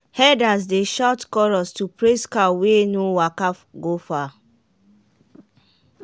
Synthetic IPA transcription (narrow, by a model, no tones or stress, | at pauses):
hɛdas̬deʃɔtkɔɹɔstupɹeskawenowakafɡofa